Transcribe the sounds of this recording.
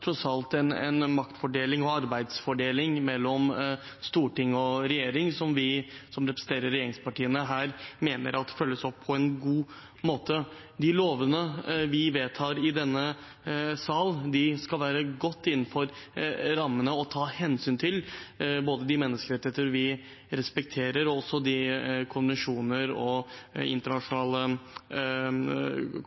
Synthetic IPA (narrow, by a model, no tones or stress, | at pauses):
t̪ʰɾɔsɑlt̪ɛnɛ̰nmɑkt̪fɔɖeːlɪŋɔɑɾbæɪd̪sfɔɖeːlɪŋmɛlːɔm | st̪uːʈɪŋːɔɾɛjeːɾɪŋsɔmʋɪsɔmɾɛpɾəsən̩t̪ʰeːɾəɾːɛjeːɾɪŋspʰɑʈiːənəɦæːɾmeːnə̰ɾʔɑt̪fœlːəsɔpʰːɔɛnɡuː | moːt̪ə | d̪ɪloːʋənəʋɪʋeːt̪ʰɑːɾɪd̪ɛnːə | sɑːld̪ɪskɑlʋæːɾəɡɔt̪ːɪnːn̩fɔɾɾɑmːənəɔt̪ʰɑːhɛnsyːnt̪ʰɪlboːd̪əd̪ɪmɛnːəskəɾɛt̪ːɪheːt̪əɾʋɪ | ɾɛspɛk̚t̪ʰeːɾəɾɔɔsɔd̪ɪkʰʊnʋɛnʂuːnəɾɔɪ̰nt̪əɳɑʂʊnɑːlə